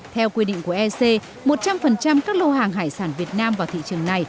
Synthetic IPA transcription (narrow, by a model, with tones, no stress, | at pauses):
t̪ʰɛ˧wkwi˧ɗḭ˧˨ŋ̟ku˧˩əʔɛ˧se˧ | mo˨˩t̚t͡ɕa˧mfə˨˩nt͡ɕa˧mkaː˦˥k̚lo˧haː˨˩ŋɦa̰ː˧˩jsaː˧˩nvi˨˩ət̚naː˧mvaː˨˩wt̪ḭ˧˨t͡ɕɨ˨˩əŋna˨˩j